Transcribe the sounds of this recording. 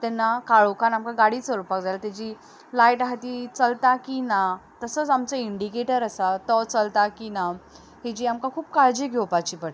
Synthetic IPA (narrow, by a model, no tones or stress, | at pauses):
t̪ɛnːakaɭokanamkaɡaɽit͡səɾupakd͡zajlat̪ad͡ʑiː | lajʈɦat̪iːt͡səlt̪akinat̪əsət͡samt͡səiɳɖikeʈəɾasat̪ɔt͡səlt̪akina | ɦed͡ʑiːamkakʰuːp̚kaɾd͡ʑeɡʱewpat͡ɕiːpəɽ